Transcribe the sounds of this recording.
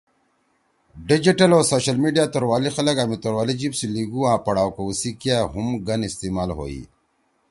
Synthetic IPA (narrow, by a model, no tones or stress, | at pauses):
ɖid͡ʑiʈɐloːsoːɕɐlmiɖijaːt̪oɾwaːlixɐləkamit̪oɾwaːlid͡ʑipsiliɡuãːpɐɽaːwkousikijaɦumɡɐnist̪iːmaːlɦo̰ːḭ